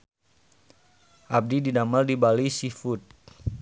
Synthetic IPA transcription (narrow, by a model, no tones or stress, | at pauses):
ʔab̚dididamaldibalisifut̪̚